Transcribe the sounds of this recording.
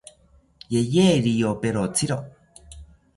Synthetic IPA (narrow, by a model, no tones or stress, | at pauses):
jejeɾijopeɾot͡sʰiɾo